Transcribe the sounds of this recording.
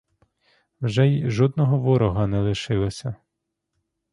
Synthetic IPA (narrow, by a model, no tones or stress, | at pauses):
wʒɛjʒɔd̪nɔɦɔʋɔɾɔɦɐnɛlˠɪʃɪlˠɔsʲɐ